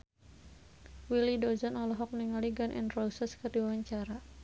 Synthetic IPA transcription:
wilidɔzɔnɔlɔɦɔk̚niŋaliɡanʔɛ̰ndrɔsɛskərdiwawaɲt͡ʃaɾa

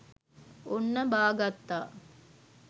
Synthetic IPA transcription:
onːɐbaːɡɐt̪ːaː

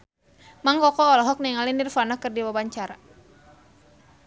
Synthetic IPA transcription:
maŋkɔkɔːlɔɦɔk̚nɛŋalinirfanakɨrdiwabaɲt͡ʃaɾa

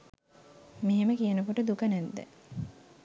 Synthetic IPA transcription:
meɦeməkijənəkoʈəd̪ukənæd̪ːḛ

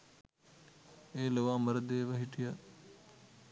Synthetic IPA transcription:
eːləʋaːməɾd̪eːʋəɦiʈɪja

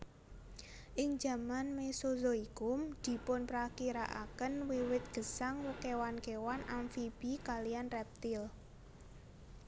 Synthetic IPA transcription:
ʔɪŋd͡ʒa̤manmesozoikʊmd̪̥i̤pʊnpɾakiɾaʔa̰kənwiwɪt̪̚ɡ̥ə̤saŋwəkewankewanʔamfib̥ikalijanrɛp̚t̪ɪl

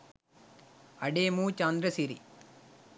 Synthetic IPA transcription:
ɐɖeːmuːt͡ʃaːnd̪ɾɐsiɾḭ

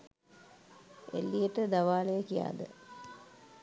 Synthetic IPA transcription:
ḛlːijəʈəd̪aʋaːlejəkija̰ːd̪ə̰

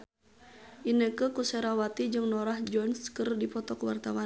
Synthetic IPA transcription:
ʔinəkəkusɛɾawat̪id͡ʒɨŋnɔɾahd͡ʒɔnskərdipɔt̪ɔkəwart̪awa

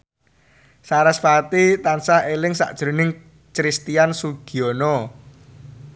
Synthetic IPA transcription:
saɾasfat̪it̪ansahelɪŋsa̰ʔd̥ʒ̥ɾṳnɪŋ | t͡ʃɾist̪iansuɡ̥iɔnɔ

